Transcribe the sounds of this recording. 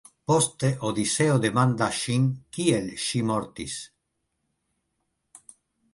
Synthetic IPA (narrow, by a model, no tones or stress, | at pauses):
post̪eʔod̪iseod̪emand̪aʃiŋkielʃimoɾt̪is